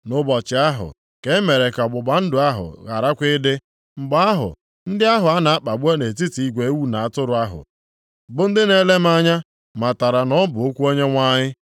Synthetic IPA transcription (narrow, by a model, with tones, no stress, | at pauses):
nʊ˦bɔ˨t͡ʃɪ˨a˦ɦʊ̰˨ | ke˨˦me˨ɾe˨ka˨ɡ͡bʊ˨ɡ͡ba˨n̩˦dʊ˨a˦ɦʊ̰˨ɣa˨ɾa˦kʷɪ˦dɪ˦ | ŋ͡m̩˨ɡ͡ba˦a˦ɦʊ̰˨ | n̩˦dɪ˦a˦ɦʊ˨a˦na˨a˦k͡pa˨bu˦e˦ne˨ti˦ti˨i˦ɡʷe˨˦wu˦na˨a˦˨tʊ˦ɾʊ˨a˦ɦʊ̰˨ | bʊ˦n̩˦dɪ˦ne˨le˦m̩˦a˦ɲa˦ | ma˨ta˨ɾa˨nɔ˦bʊ˨o˦kʷu˦o˦ɲe˦ŋʷa˦ɲɪ˦